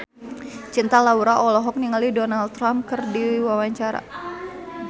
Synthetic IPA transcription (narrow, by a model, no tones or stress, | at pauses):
t͡ʃint̪alauɾaʔɔlɔɦɔk̚niŋalidɔnalt̪ːɾamkərdiwawaɲt͡ʃaɾa̰